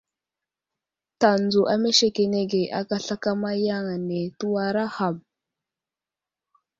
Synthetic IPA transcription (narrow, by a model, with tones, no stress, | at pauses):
ta˨nd͡zu˨ʔa˨me˦ʃe˨ke˨ne˦ɡe˨ʔa̰˦ka˦ɬa˦ka˦ma˦ja˦ŋa˨ne˨tu˦wa˦ɾa˦ha˨m